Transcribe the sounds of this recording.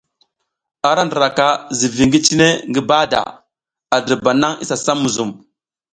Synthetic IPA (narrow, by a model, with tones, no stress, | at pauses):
a˨ɾa˦ndə˨ɾa˨ka˦zi˨vi˨ŋɡi˦t͡ʃi˦ne˦ŋɡi˦ba˦da̰˨ | a˨di˨ba˨na˦ŋḭ˦sa˨sa˦mu˨zu˨m